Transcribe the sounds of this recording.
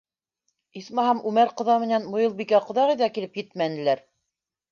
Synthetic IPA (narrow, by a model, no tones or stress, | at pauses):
ismɑɦɑmʉmæɾqɤ̆ðɑmɘ̆nænmŏjɤ̆lˠbikæqŏðɑʁɤ̆jðɑkilɘpjɘt̪mænɘ̆læɾ